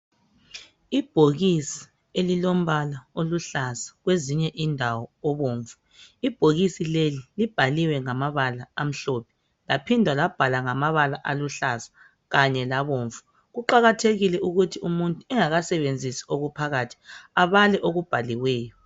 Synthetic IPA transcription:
ib̥ʱoɣisi̥ | elilom̩βalaoluɬasḁɣweziɲɛʔindʱawɔːβoːɱvu | ib̥ʱoɣisilelilib̥ʱaliwɛŋamaβalaam̩ɬɔpʰɛ̥ | lapʰindʱwalab̥ʱalaŋamaβalaʔaluɬasḁ | ɣaɲɛlaβoːɱvu | ɣuǃaɣatʰeɣilɛuɣutʰiumuntʼuɛŋaɣasɛβend͡zʱisioɣupʰaɣaːtʰi̥aβalɛʔoɣub̥ʱaliwɛːjɔ

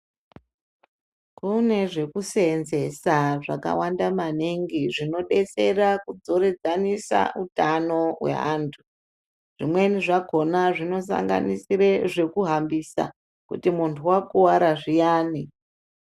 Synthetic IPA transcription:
kune̞ʐe̞kusenze̞saʐaka̰wandamaneŋɡiʐino̞ɗe̞t͡se̞rakud͡zo̞ɾe̞d͡zanisa̰ʔutano̞we̞̰ɦa̰ːntʰu̥ | ʐ̥imwe̞niʐako̞naʐino̞s̬a̰ŋɡa̰nisireʐe̞kuɦambisa̰ | kṵtimuntʰuwakuwaɾaʐijaːni

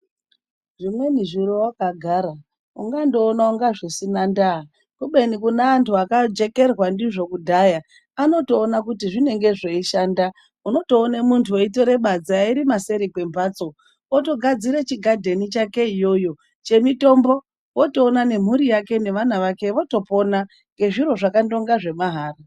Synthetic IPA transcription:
ʐimwe̞niʐuɾowakaɡʱaːɾa | uŋɡando̞ːnauŋɡaʐisinanda | kuɓe̞nikunaːntʰuakad͡ʒe̞ke̞rwandiʐo̞kudʱaja | ano̞to̞ːnak̬utiʐine̞ŋɡe̞ʐeiʃaːnda | uno̞to̞ːnemuntʰuo̞ito̞ɾe̞ɓad͡zaiɾimase̞ɾikwe̞mbaːt͡so̞ | oto̞ɡʱad͡ziɾet͡ʃiɡʱadʱenit͡ʃake̞ijo̞jo̞ | t͡ʃe̞mito̞mbo̞ | wo̞to̞ːnane̞m̤uɾijake̞ne̞ʋanaʋake̞ʋo̞to̞po̞na | ŋɡe̞ʐiɾo̞ʐakando̞ŋɡaʐe̞maɦaːra

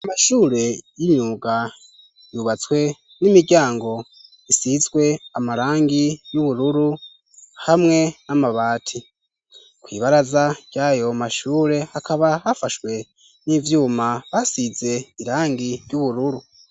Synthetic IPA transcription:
amaʃuːɾe̞jiɲuːɡa | juβat͡swe̞ | nimiɟaːŋɡo̞ | isizɡwe̞amaɾaːŋɡijuβuɾuɾu | hamŋe̞namaβaːtʰi | kwḭːβaɾazaɟ̥aːjo̞maʃuːɾe̞hakʰaβahafaʃwe̞ | nivjuːmaβasize̞iɾaːŋɡiɾjuβuɾuɾu

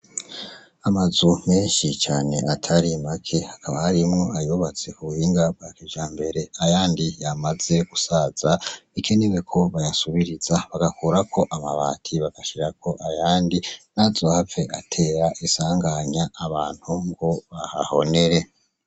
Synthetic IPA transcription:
amazum̥e̞ːnʃit͡ʃaːne̞ʔatʰaɾimakʰe̞hakʰaβahaɾimŋo̞ajoβat͡se̞kuβuhiːŋɡab̚ɡakiʒaːmbe̞ɾe̞ajaːndijamaze̞ɡ̥usaz̥aikʰeniwekʰo̞βajasuβiɾiz̥aβaɡakuɾakʰo̞ʔamaβa̰ːtʰiβaɡ̥aʃiɾakʰo̞ʔajaːndinazohafe̞ʔatʰe̞ːɾaʔisaːŋɡaɲaːβaːn̥huŋɡoβaha̰ho̞̰ne̞ɾe̞

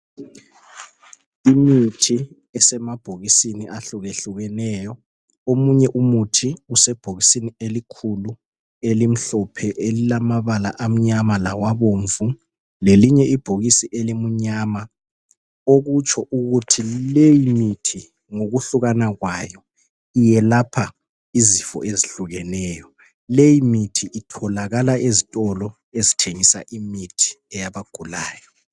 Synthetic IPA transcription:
imitʰi | ɛsɛmab̥ʱoɣisiniaɬuɣeɬuɣɛnɛjɔ | omuɲɛʔumutʰiusɛb̥ʱoɣisinielikʰulu | elim̩ɬɔpʰɛʔelilamaβala̰ʔam̩ɲamalawaβoɱvu | leliɲɛʔib̥ʱoɣisiʔelimuɲama | oɣut͡ʃʰʼɔʔuɣutʰilejimitʰi | ŋoɣuɬuɣanaɣwajɔ | ijɛlapʰa | izifɔ̰ʔeziɬuɣɛnɛjɔ | lejimitʰiʔitʰɔlaɣalaezitʼɔlɔ | ezitʰeŋisa̰ʔimitʰi̥ɛjaβaɡ̥ʱulaːjɔ

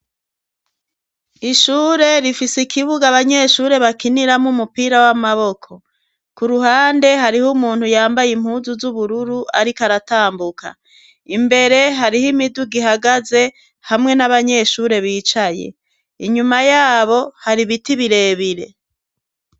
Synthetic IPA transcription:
iʃuːɾe̞ɾifisikʰiβuɡaβaɲe̞ʃuːɾe̞βakiniɾamumupiːɾawamaβo̞kʰo̞ | kuɾuɦaːnde̞ɦaɾihumuːnhujaːmbajim̥huːzuzuβuɾuɾuʔa̰ɾikaɾataːmbukʰa̰ | imbe̞ɾe̞ɦaɾihimiduɡiɦaɡaze̞ | hamŋe̞naβaɲe̞ʃuːɾe̞βiːt͡ʃaje̞̰ | iɲumajaːβo̞haɾiβitiβiɾe̞ːβiɾe̞̰

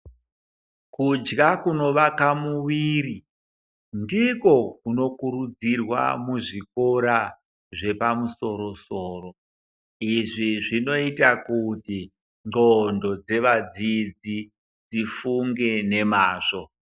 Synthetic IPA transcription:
kud͡ʒɡakuno̞ʋakamuwiːri | ndiko̞kuno̞kuɾud͡zirwa̰muʐiko̞ɾa | ʐe̞pamuso̞ɾo̞soːɾo | iʐiʐino̞itakuti | ŋ͡ǃŋ͡ǃondo̞d͡ze̞ʋad͡zid͡zi | d͡zifuŋɡe̞ne̞maːʐo̞

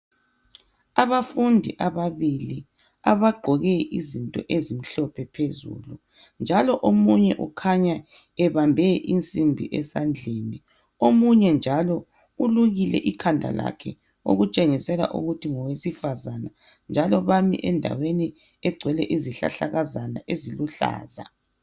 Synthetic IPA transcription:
aβafundʱiʔaβaβili | aβaɡ͡ǃʱɔɣɛʔizintʼɔ̰ʔezim̩ɬɔpʰɛpʰezṵlu | nd͡ʒʱalɔʔomuɲɛʔukʰaɲa | ɛβambʱɛʔint͡sʼimbʱḭʔɛsand͡ɮʱeni | omuɲɛnd͡ʒʱalɔ | uluɣilɛ̰ʔikʰandʱa̰la̰kʰɛ̰ | o̰ɣut͡ʃʼeŋisɛla̰ʔṵɣutʰiŋɔwesifazana | nd͡ʒʱalɔβamḭʔɛndʱa̰weni | ɛɡ͡ǀʱwɛlɛʔiziɬa̰ɬaɣazana̰ʔeziluɬa̰ːza̰

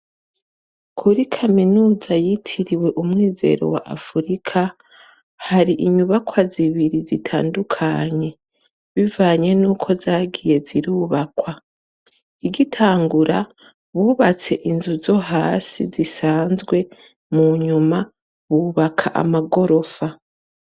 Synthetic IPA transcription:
kʰuɾikʰaminuːzajitʰiɾiwe̞ʔumŋiːze̞̰ɾo̞̰wa̰ʔa̰fuɾikʰa | haɾiʔiɲuβakwaziβiɾizitʰa̰ːndukʰa̰ɲe̞ | βivaːɲe̞nuːkʰo̞zaːɡije̞ziɾuːβakwa | iɡitʰaːŋɡuɾa | βuːβat͡se̞ʔinzuzo̞ɦaːsizisaːnzɡwe̞ | muɲuma | βuːβakʰa̰ʔa̰maɡo̞ɾo̞fa

